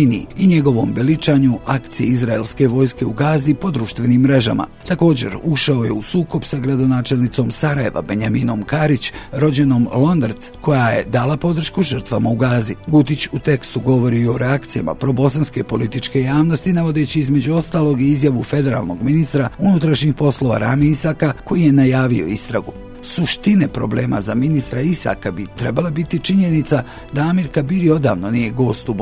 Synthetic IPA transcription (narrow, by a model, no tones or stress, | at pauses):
niiɲe̞ɡo̞ʋo̞mbelit͡ʃaɲuʔakt̪sijeizɾaelˠske̞ʋo̞ːjske̞uɡaːzipo̞d̪ɾuːʃt̪ʋe̞nimːɾe̞ʒa̰ma̰t̪ako̞ːd͡ʑe̞̰ɾuʃaoje̞̰usuːko̞bsaɡɾad̪o̞naːt͡ʃe̞lnit̪so̞msaɾaje̞ʋa̰be̞ɲamiːno̞mkaɾit͡ɕɾo̞d͡ʑeno̞mlˠo̞nd̪ɾt̪sko̞jajḛd̪alˠapo̞d̪r̩ʃkuʒərɾt̪ʋamauɡaːziɡut̪it͡ɕut̪e̞kst̪uɡo̞ʋo̞ɾiːo̞ɾeakt̪sija̰ma̰pɾo̞bo̞sanske̞po̞lit̪it͡ʃke̞jaːʋno̞st̪inaʋo̞d̪e̞t͡ɕiizme̞d͡ʑuo̞st̪aːlˠo̞ɡiizjaʋufe̞d̪e̞ɾa̰lˠno̞̰ɡminist̪ɾaunut̪ɾaʃɲixpo̞slˠo̞ʋa̰ɾaːmiisakako̞jije̞najaːʋio̞̰ist̪ɾa̰ɡu | suʃt̪ine̞pɾo̞̰ble̞ːma̰zaminist̪ɾaisa̰ːkabit̪ɾe̞balabit̪it͡ʃiɲe̞nit̪sa | d̪aamiɾkabiɾio̞d̪a̰ːʋno̞nije̞ɡo̞ːst̪ub